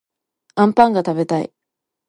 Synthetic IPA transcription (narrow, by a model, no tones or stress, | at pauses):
ãmpãŋɡat̪abe̞t̪aḭ